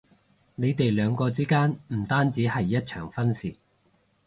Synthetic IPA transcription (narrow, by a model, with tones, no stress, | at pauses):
ne˨˧jt̪e˨jlœː˨˧ŋkɔː˧t͡siː˥kaː˥nm̩˨˩t̪aː˥nt͡siː˨˥hɐ˨jːɐ˥t̚t͡ʃʰœ̰ː˨˩ŋfɐ˥nsiː˨˩